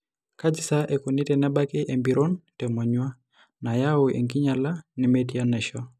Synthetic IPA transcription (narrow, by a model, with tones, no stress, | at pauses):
ka˦d͡ʒi˨sa˦ʔe˨ko˨ni˦tɛ˨nɛ˦ba˦kɪ˦ʔe˨mbi˨ɾo˦ntɛ˨mɔ˨ɲwa˦ | na˨ja˦o˨ʔḛ˨ŋɡi˦ɲa˨la˦ni˨metija˦nɛ˨ʃɔ˦